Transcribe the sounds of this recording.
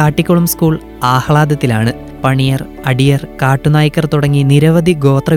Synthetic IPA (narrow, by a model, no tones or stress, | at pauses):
aːʈːikʲːoɭɐmskuːɭ | aːhɐɭaːd̪ɐt̪ːilaːɳɨ | pɐɳijɐr | ɐɖijɐrkaːʈːunaːjikːɐrt̪uɽɐŋːiniɾɐʋɐd̪ʱiɡo̞ːt̪rɐ